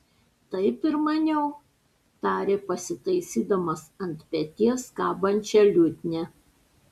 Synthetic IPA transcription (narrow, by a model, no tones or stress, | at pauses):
t̪ɐɪpɪɾmɐnʲɛʊ | t̪ɑːɾʲeːpɐsʲɪt̪ɐɪsʲiːd̪ɐmosɐnʲt̪ʲpʲɛt̪ʲiɛskɑːbɐnʲt͡ʃʲɛlʲʊt̪ʲnʲɛ